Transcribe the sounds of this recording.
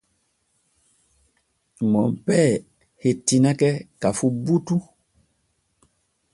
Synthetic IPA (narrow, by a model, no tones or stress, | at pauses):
mɔmpɛ | hetinakɛkafubutu